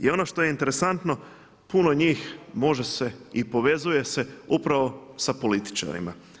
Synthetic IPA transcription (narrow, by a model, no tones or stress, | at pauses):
io̞no̞ʃt̪o̞je̞int̪e̞ɾe̞sant̪no̞ | puno̞ɲiːxmo̞ʒe̞se̞ipo̞ʋe̞zuje̞se̞upɾaʋo̞sapo̞lit̪i̥t͡ʃa̰ɾḭma̰